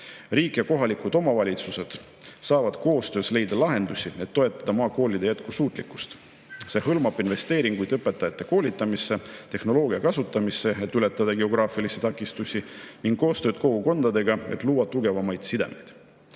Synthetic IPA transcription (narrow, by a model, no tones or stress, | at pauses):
riːkˑjɑko̞ɦɑlikud̪̥o̞mɑvɑlʲit̪suse̞d̪̥ | sɑːvɑd̪̥ko̞ːst̪ø̞ːsle̞jd̪̥ɑlɑɦe̞nd̪̥usʲie̞t̪ːo̞e̞t̪ˑːɑd̪̥ɑmɑːko̞ːlʲid̪e̞jæt̪kusuːt̪ˑlikːˑu̥st̪ | se̞hɤlmɑbˑinve̞st̪e̞ːɾiŋɡ̥ujd̪ɤpːe̞t̪ːˑɑjɑt̪ːˑe̞ko̞ːlʲit̪ːˑɑmisːe̞t̪e̞hno̞lo̞ːɡiɑkɑsut̪ːˑɑmise̞et̪ːˑyle̞t̪ːˑɑd̪̥ɑɡe̞o̞ɡ̥ɾɑːfilisit̪ɑkːˑist̪usʲiniŋɡ̥kːo̞ːst̪ø̞ːd̪̥ko̞ɡ̥uko̞nd̪ɑd̪e̞ɡ̥ɑet̪luːwɑt̪ːuɡe̞vɑmɑjd̪̥sid̪e̞̰me̞̰jd̪̥